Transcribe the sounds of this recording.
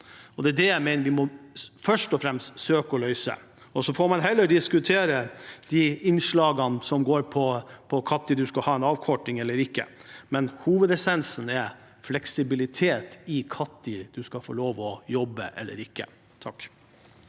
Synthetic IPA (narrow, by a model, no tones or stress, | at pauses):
ɔd̪ɛːd̪ɛjæɪmɛɪnəɾʋɪmɔfœʂʈɔfɾɛmst̪søːkəɔlœʏsə̰ | ɔsɔfɔɾmɑnɦɛlːəɖɪskʉt̪ʰeːɾəd̪̥ɪɪnʂɭɑːɡənsɔmɡoːɾpʰɔpʰɔkʰɑt̪ːɪd̪ʉskɑhɑːɛnɑːʋkʰɔʈːɪŋɛlːəɾɪkːə̰mɛnhuːʋəd̪ɛsɛnsnɛ | flɛksɪbɪlɪt̪ʰeːt̪ɪkʰɑt̪ːɪd̪̥ʉskɑfo̰ːloːʋɔjɔbːə̰ʔɛ̰lːə̰ɾɪkːə̰ | t̪ʰɑkː